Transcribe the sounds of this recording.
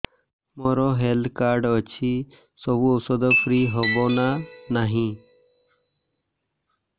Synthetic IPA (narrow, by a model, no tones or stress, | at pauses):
mɔɾoːɦeld̪kaːɾɖət͡ʃʰiː | sobuɔsɔd̪opʰɾiːɦobonanaɦĩː